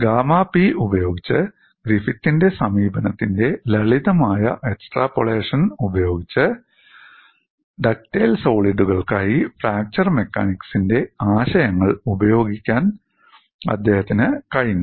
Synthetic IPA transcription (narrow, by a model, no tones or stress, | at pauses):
ɡaːmaːpiubɐjo̞ːɡit͡ɕːɨ | ɡɾifit̪ːinde̞sɐmiːbɐnɐt̪ːinde̞lɐɭiðɐmaːjɐ̰ʔeksʈraːpoɭeːʂɐnubɐjo̞ːɡit͡ɕːɨ | ɖɐk̚ʈeːlso̞ːɭiɖuɣɐɭkaːjifraːk̚t͡ɕɐrme̞kːa̰ːniksinde̞aːɕɐjɐŋːɐɭubɐjo̞ːɡikʲːaːn | ɐ̰d̪ːe̞ːhɐt̪ːinɨkɐɻinːu